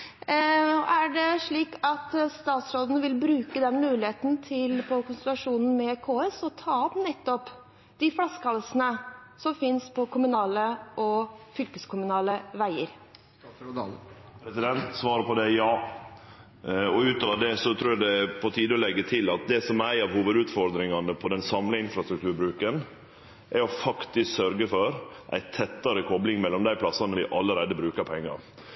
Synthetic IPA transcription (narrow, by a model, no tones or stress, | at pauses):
ʔæɖɛʂɭiːkɑt̪st̪ɑːt̪sɾoːd̪n̩əʋɪlbɾʉːkəd̪ɛnmʉːlɪheːt̪n̩t̪ʰɪlpʰɔkʊnst̪ɛlɑʂuːnn̩mɛkʰoːɛsɔt̪ʰɑːɔpnɛt̪ːɔp | d̪̥ɪfɽɑskʰɑlːəsənəsɔmfɪnspʰɔkʰʊmʉnɑːləʔɔfʏlkəskʰʊmʉnɑːləʋæɪəɾ | pɾɛsɪd̪ɛnt̪sʋɑːɾəpɔd̪ɛjɑː | ɔʉːt̪ɑʋɑd̪ɛsɔt̪ʰɾuːɾjæd̪ɛpʰɔt̪ʰiːd̪əɔlɛɡːət̪ʰɪlɑt̪̚d̪ɛsɔmæɪɑʋhuːʋəd̪ʉːt̪fɔɾd̪ɾɪŋɑnəpʰɔd̪ɛnsɑmləɪnfɾɑst̪ɾʉkt̪ʉːɾbɾʉːkən | ʔæɾɔfɑkt̪ɪsksœɾɡəfɔɾʔæ̰ɪt̪ʰɛt̪ːɑɾəkʰɔblɪŋmɛlːɔmd̪æɪpʰlɑsɑnəʋɪʔɑlːəɾæɪd̪əbɾʉːkəɾpɔɛŋːɑ̰ɾ